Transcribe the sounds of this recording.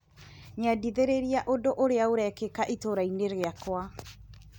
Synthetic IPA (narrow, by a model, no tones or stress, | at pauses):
ɲadiðeɾeɾiaʔodoʔoɾeaoɾɛkekaʔitoɾaineɾeakwa